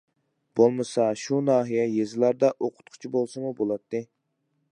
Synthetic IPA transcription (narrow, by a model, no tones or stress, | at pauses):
b̥olˠmɨsɑʃunɑːɦijɛjezɪlæɾd̪ɛʔoqʰʊ̥t̪̚qʰʊ̥t͡ʃʰibolˠsɨmubolˠɑt̪ʰːɨ